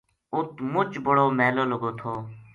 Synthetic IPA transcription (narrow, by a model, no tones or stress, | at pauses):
ʊt̪mʊt͡ʃbəɽoːmɛːloːləɡoːt̪ʰoː